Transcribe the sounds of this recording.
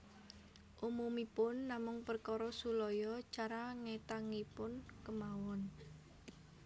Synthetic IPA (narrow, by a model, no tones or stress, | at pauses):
ʔumumipʊnːamʊŋpərkɔɾɔsulɔjɔt͡ʃaɾaŋet̪aŋipʊnkəmawɔn